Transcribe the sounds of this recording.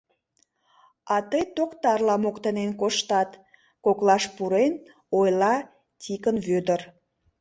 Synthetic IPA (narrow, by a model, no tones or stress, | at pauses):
ɑt̪əjt̪okt̪ɑrlɑmokt̪ənenkoʃt̪ɑt̪ | koklɑʃpuɾen | ojlɑ | tʲikənβød̪ər